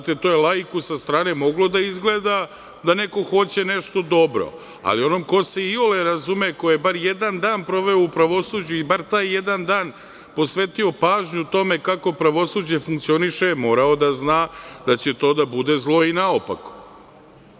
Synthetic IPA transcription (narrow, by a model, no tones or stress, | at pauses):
t̪et̪oːjelˠaikusast̪ɾaːne̞mo̞ɡlo̞d̪aizɡleːd̪a | d̪aneko̞xo̞t͡ɕe̞neʃt̪o̞d̪o̞bɾo̞̰ | a̰lio̞nomko̞seioleɾazumekojebaɾjed̪and̪aːnpɾo̞ʋe̞oupɾaʋo̞sud͡ʑuibaɾt̪aːjːed̪and̪aːn | po̞sʋeːt̪io̞paːʒɲuut̪o̞me̞kako̞pɾaʋo̞sud͡ʑe̞fuŋkt̪sio̞niʃemo̞ːɾao̞d̪aznaːd̪at͡ɕe̞t̪o̞ːd̪abud̪ezlˠo̞inaopa̰k